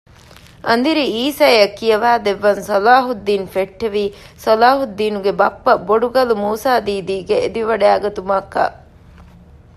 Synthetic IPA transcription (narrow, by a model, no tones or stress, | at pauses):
ʔɐnd̪iɾiiːsaːjɐkːijɐʋaːd̪eʋːɐnsɐlaːɦud̪ːiːnfeʈːeʋiː | sɐlaːɦud̪ːiːnuɡebɐpːɐboɖuɡɐlumuːsaːd̪iːd̪iːɡeed̪iʋɐɖeaːɡɐt̪umɐkːɐ̰